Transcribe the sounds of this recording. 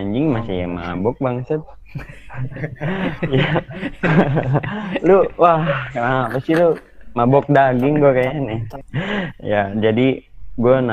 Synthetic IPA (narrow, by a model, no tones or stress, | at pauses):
aɲd͡ʒɪŋmasija̰ma̰bɔk̚baŋsət̪̚ | ja | luwahkanaməst̪ilu | mabɔk̚daɡɪŋɡuakajanɛ | jad͡ʒadiɡuana